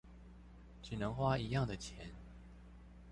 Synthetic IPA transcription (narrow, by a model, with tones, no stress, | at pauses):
t͡ɕy˨˩nə˧˦ŋxwa˥i˧˥jɑ˥˩ŋd̪ə˩t͡ɕʰjɛ˨˦n